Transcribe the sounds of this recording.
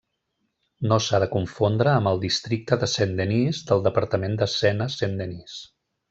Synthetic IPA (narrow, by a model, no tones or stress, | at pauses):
nosaðəkuɱfond̪ɾəːməlˠd̪ist̪ɾik̚t̪əðəsend̪enizd̪əlˠd̪əpəɾt̪əmend̪əsɛnəsend̪enis